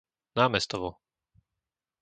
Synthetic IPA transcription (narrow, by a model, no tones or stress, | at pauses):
naːmɛst̪ɔʋɔ